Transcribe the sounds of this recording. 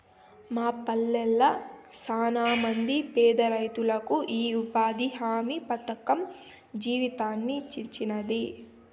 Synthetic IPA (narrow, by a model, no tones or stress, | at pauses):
maːpɐlːɛlːɐsaːnaːmɐnd̪ipɛːd̪ɐɾɐjt̪ulɐkuʔiːupaːd̪iɦaːmipɐt̪ɐkɐm | d͡ʒiːʋit̪aːnːit͡ʃːiɲt͡ʃinɐd̪i